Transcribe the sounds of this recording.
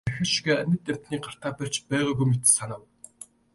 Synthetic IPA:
æxɘ̆ʃiɣeːæmʲɪ̆t̪æm̥t̪niːɢar̥t̪aːpær̥t͡ɕpæːʁujɣujmet̪̆sanaːw

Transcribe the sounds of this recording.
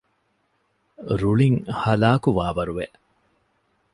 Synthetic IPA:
ɾuɭiŋhɐlaːkuʋaːʋɐɾuʋeʔ

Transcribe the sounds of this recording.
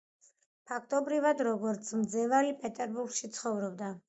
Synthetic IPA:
pʰakʰt̪ʼɔbɾivad̪ɾɔɡɔɾt̪sʰmd̪zɛvalipʼɛt̪ʼɛɾbuɾɡʃit̪sʰχɔvɾɔb̚d̪a

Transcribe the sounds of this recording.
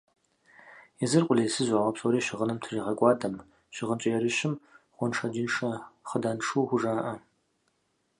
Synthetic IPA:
jɛzɨrqʷʼʊlejsɨzʷaːʁʷɐpsʼoɾiːɕɪʁənɨmtʰriːʁɐkʷʼɑːdɐm | ɕɪʁənt͡ʃʼɐjɛɾɨɕɪmχʷɔnʂɐd͡ʒinʂɐχədaːnʂuːxʷʊʐaːʔɐ

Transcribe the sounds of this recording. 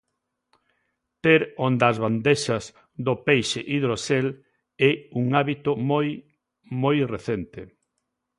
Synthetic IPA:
t̪eɾond̪azβand̪eʃɐz | ðʊpejʃeʔiðɾosel | ɛuŋaβit̪ʊmoj | mojreθent̪ɪ

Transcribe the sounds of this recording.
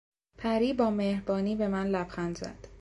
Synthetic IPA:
pʰæɾiːbɒːmehɾbɒːniːbe̞mænlæbxænd̪zæ̰d̪̥

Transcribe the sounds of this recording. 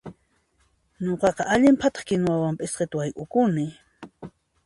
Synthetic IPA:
ɲoqɑqɑʔaʎɪmpʰat̪ɑ̥χkɪnwawampʼɪsqet̪ʊajkʼʊkʊnɪ

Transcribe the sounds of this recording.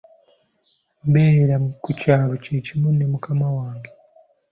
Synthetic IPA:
mbeɾakucaːɾocecimunemukamawaːŋɡe

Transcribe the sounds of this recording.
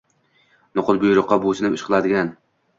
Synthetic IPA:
nʊqʊlˠbʊjɾʊqːɑbosɪnɪpɪʃqʰɨlˠad̪ɪɡʲan

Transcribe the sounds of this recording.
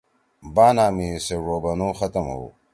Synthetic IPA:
baːnaːmiseʐoːbɐnoːxɐt̪ɐmɦo̰ː

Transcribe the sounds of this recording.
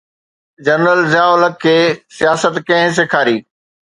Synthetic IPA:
d͡ʑɐnɾəlzjaːʊləkʰːeːsijaːsət̪kɐ̃ɦɪ̃s̬eːkʰaːɾiː

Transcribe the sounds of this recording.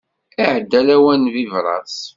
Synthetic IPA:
iʕəd̪ːælæwænvivɾˤɑ̰s

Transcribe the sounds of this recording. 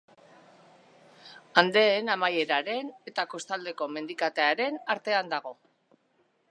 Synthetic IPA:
and̪e̞ːnamaje̞ɾaɾe̞ne̞t̪ako̞st̪ald̪eko̞me̞nd̪ikat̪eaɾe̞naɾt̪e̞and̪aɣ̞o̞

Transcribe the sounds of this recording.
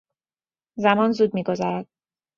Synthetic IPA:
zæmɒːnzuːd̪̚miːɡo̞zæɾæd̪̥̚

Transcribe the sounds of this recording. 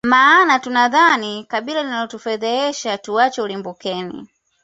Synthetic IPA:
maːnatunaðanikaɓilalinalɔtufɛðɛɛʃatuat͡ʃɔlimbukɛnḭ

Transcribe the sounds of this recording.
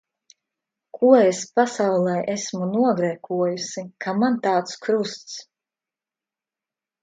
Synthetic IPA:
kʰuɔespasawlˠɛjʔesmunuɔɡɾɛkuɔjusikʰamant̪aːt̪skɾust̪s

